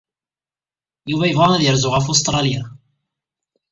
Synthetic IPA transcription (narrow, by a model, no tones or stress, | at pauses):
juvæjəvʁɑnæðjəɾzʊʁæfus̬t̪ˤɾˤɑlja